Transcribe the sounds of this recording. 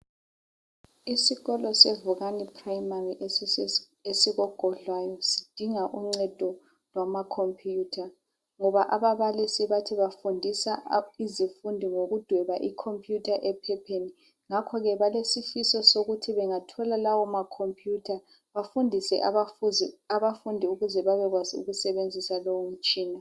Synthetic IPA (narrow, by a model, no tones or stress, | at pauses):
isiɣɔlɔsevuɣanipʰʼrajmariʔ | esiɣɔɡ̥ʱɔɮwajɔsi̥d̥ʱiŋaʔuŋ͡ǀɛd̥ʱɔ | lwamakʰompʰʼjuːtʰa | ŋɔβaʔaβaβalisiβatʰiβafundʱisaizifundʱiŋoɣud̥ʱwɛβaʔikʰompʼʰjutʰaʔɛpʰɛpʰeni | ŋakʰɔɣɛβalesifisɔsoɣutʰiβɛŋatʰɔlalawɔmakʰompʰʼjutʰa | βafundʱisɛ̰ʔ | aβafundʱiuɣuzɛβaβɛɣwaziṵɣusɛβend͡zʱisalowom̩t͡ʃʼiːna